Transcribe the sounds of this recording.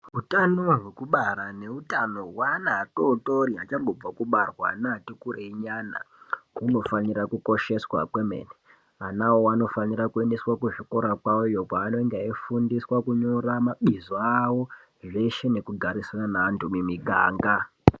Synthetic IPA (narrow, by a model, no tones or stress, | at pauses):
utanoɦwekuɓaɾane̞utano̞wanaːtotoriat͡ʃaŋɡo̞b͡vakuɓarwa̰naːtikuɾeiɲana̰ | uno̞fanirakuko̞ʃe̞swa̰kwe̞mḛne | anawoano̞fanirakue̞nde̞swakuʐiko̞ɾakwaojo̞kwaːno̞eŋɡaefundiswakuɲo̞ɾamaɓizoawo̞ | ʐe̞ʃe̞ne̞kuɡʱaɾiswaanaːntumimiɡʱa̰ːŋɡa